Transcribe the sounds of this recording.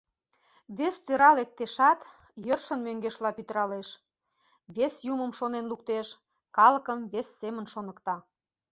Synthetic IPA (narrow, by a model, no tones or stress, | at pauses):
βest̪øɾɑlek̚t̪ːeʃɑt̪ | jərʃə̆nmøŋɡeʃlɑpyt̪əɾɑleʃ | βesjuməmʃonenluk̚t̪eʃ | kɑləkəmβesːemənʃonə̆kt̪ɑ